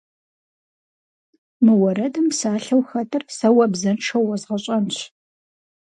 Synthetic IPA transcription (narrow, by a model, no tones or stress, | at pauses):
mɨwɔɾɐdɐmsaːɬɐwxɐtʰɐrsɐwɐbzɐnʈ͡ʂʰɐwɐzʁɐɕʼɐnɕ